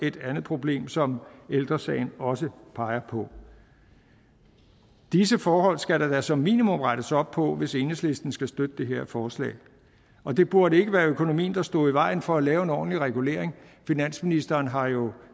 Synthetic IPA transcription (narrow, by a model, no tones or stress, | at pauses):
e̝d̥ænð̩ˠpʰʁo̝b̥le̝̰ːmsɒ̽meld̥ʁɐsɛ̰ɪnɒ̽səpʰɑ̈ɪɐpʰɒ̽ | d̥isəfɒːhɒ̽l̰sɡ̥æɾæd̥æsɒ̽mːḭːnimɔm̰ʁɑ̈ɾ̥əsɒ̽b̥̚pʰɒ̽ʋe̝se̝nəsle̝sd̥n̩sɡ̥æsd̥ød̥əd̥e̝ɦe̝ɐ̰fɒːslɛ̰ː | ɒ̽d̥e̝b̥uɐɾəe̝ɡ̥əʋæːɐøkʰo̝no̝mḭːn̩d̥ɑ̈sd̥ɔ̰ːiʋɑ̈ɪ̰n̩fɒ̽ælɛːʊe̝nɒ̰ːn̩liʁɛɡ̥ule̝ɐ̰eŋfinæn̰sminisd̥ɐːnɦɑ̈jo̝